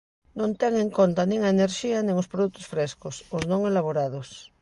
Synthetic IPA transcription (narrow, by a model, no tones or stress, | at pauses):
nõnt̪eŋeŋkont̪anĩŋaeneɾʃianĩŋospɾoðut̪o̥sfɾeskosoznõŋelaβ̞oɾað̞os